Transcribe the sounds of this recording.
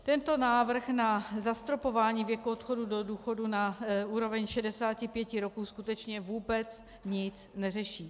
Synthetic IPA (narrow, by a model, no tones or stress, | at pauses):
t̪ɛnt̪o̞naːvr̩xnazast̪ɾo̞po̞vaːɲiːvjɛkuot̪xo̞dudoduːxo̞dunaʔuːɾo̞vɛɲʃɛdɛsaːcɪpjɛcɪɾo̞kuːskut̪ɛt͡ʃɲɛvuːbɛt͡s | ɲɪt͡snɛrɛʃiː